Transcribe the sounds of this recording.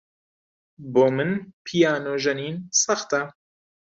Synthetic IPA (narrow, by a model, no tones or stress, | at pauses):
boːmɨnpʰijaːnoːʒɐniːnsɐxt̪ɐ